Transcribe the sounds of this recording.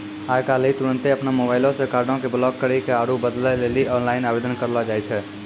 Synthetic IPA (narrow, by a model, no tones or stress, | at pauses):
ajkalit̪uɾənt̪eəpnamobaɪlõsẽkaɾɖõkeblɔɡ̚kəɾɛkeaɾubəd̪lɛleliʔɔnlaɪnabed̪ənkəɾlɔd͡ʒajt͡ʃʰɛ